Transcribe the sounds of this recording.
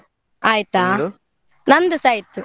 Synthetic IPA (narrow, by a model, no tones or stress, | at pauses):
aːjt̪aː | nɐnd̪usɐjt̪ːu